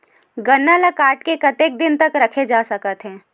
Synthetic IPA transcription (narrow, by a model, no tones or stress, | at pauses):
ɡɐnːaləkaːʈkekɐt̪eːk̚d̪ɪnt̪ɐkɾɐkʰed͡ʒaːsɐkət̪ɦɛ̃ː